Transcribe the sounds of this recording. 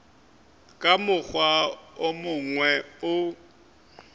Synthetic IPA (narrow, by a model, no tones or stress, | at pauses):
kʼamʊk͡xwaomʊŋwɛʊ